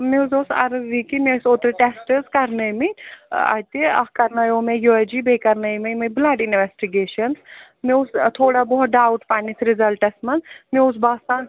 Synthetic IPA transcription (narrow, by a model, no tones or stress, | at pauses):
meuzoːsɐ̰ɾɨʋikimesoːt̪ɾɨʈesʈəzkɐɾnɐjmia̰t̪iɐ̰hkɐɾnajoːmejod͡ʒibʱekɐɾnɐjmimiblaːɖinʋesʈiɡeːʃɐns | meust̪ʰoːɽabɔɦut̪̚ɖaːwʈpanisɾizɐlʈɐsmɐnmeusbaːst̪aːn